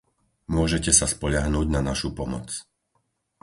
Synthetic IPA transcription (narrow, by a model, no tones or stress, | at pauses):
mʊɔʒɛcɛsaspɔʎaɦnuːɟnanaʃupɔmɔ̰t͡s